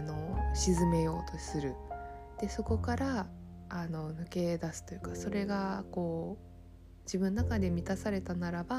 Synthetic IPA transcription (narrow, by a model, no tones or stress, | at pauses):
no̞ɕizɨme̞jo̞ːt̪o̞sɨɾɯ̟ | d̪̥e̞so̞ko̞kaɾaː | no̞nɯ̟ke̞d̪asɨ̥t̪o̞jɯ̟kaso̞ɾe̞ɡako̞ː | d͡ʑibɯ̟noːakad̪e̞mʲit̪asaɾe̞t̪anaɾaba